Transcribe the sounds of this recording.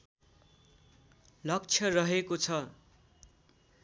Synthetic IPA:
lʌk̚t͡sʰjʌrʌɦekot͡sʰʌ

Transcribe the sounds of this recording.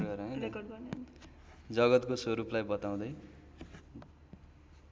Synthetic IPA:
ɡʌɾʌʌe | d͡zʌɡʌt̪kosoɾuplajbʌt̪aw̃d̪ʌj

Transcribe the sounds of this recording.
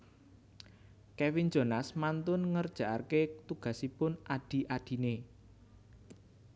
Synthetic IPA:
kɛwind͡ʒo̤nasmant̪ʊnŋərd̥ʒ̥a̤ʔa̰rket̪uɡ̥a̤sipʊnaɖ̥i̤ʔaɖ̥i̤ne

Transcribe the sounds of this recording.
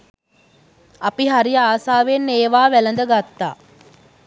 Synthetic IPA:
apiɦaɾijəaːsaːʋenːeːʋaːʋælənd̪əɡat̪ːa̰ː

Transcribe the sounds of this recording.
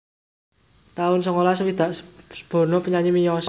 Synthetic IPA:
t̪aʊnsəŋolas̬əwid̪̥a̤ʔsə̥b̥ɔ̤nɔpəɲaɲimijɔs

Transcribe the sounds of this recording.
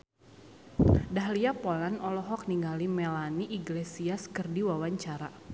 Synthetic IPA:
daɦliapɔlanɔlɔɦɔk̚niŋɡalimɛlaniʔiɡlesiaskɨrdiwawaɲt͡ʃaɾa

